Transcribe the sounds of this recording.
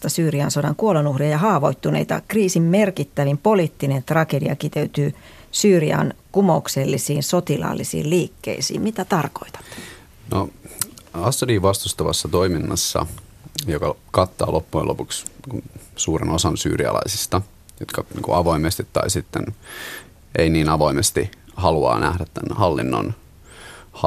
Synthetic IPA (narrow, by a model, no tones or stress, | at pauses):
t̪ɑsyːriɑnsodɑŋkuolenuhriɑjɑhɑːʋo̞it̪ːunḛit̪ɑ̰kriːsimmerkit̪ːæʋimpoliːt̪ːinent̪rɑkedḭɑ̰kit̪eyt̪yː | syːriɑ̰nkumoukselːisiːnsot̪ilɑ̰lːisḭːlliːkːḛisḭːmmit̪æt̪ɑrko̞̰it̪ɑ̥t̪ː | no | ɑsːɑdiːʋɑst̪ust̪ɑʋɑsːɑt̪oiminːɑsːɑ̰ | jokɑkɑt̪ːɑːlʔopːuḛlopukskunsuːɾḛnosɑnsy̰ːɾiɑ̰lɑ̰isi̥st̪ɑ | jot̪kɑnḭːŋkuɑʋoimest̪it̪ːɑ̰isit̪ːen | einiːnɑʋoimest̪ihɑluɑ̰ːnʔæhdæt̪ːænhɑlːḭnːo̰n | hɑ